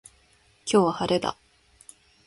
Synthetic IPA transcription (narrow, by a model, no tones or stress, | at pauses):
kʰʲjowahaɾed̪a̰